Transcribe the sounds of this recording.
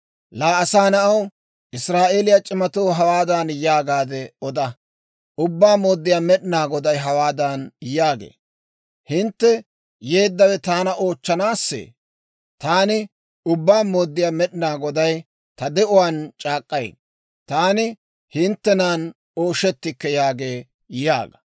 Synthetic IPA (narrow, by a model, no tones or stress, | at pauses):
laːɐsaːnɐʔɐw | ʔɪsɾaːʔe̞ːlɪjat͡ʃʼɪmɐt̪oːɦɐwaːd̪aːnjaːɡaːd̪ɛɔd̪ɐ | ʊbːaːmoːd̪ːɪjaːmɛɗɪnaːɡɔd̪ɐjɦɐwaːd̪aːnjaːɡḛː | hɪnt̪ːɛ | je̞ːd̪ːɐwɛt̪aːnɐʔoːt͡ʃːɐnaːsːḛː | t̪aːnɪ | ʊbːaːmoːd̪ːɪjaːmɛɗɪnaːɡɔd̪ɐj | t̪ɐd̪ɛʔʊwaːnt͡ʃʼaːkʼːɐj̰ | t̪aːnɪ | hɪnt̪ːɛnaːn | o̞ːʃɛt̪ːɪkːɛjaːɡeː | ja̰ːɡɐ